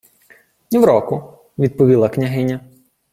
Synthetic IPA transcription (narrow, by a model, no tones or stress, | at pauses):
nʲiwɾɔkʊ | ʋʲid̪̚pɔʋʲilˠɐknʲɐɦɪnʲɐ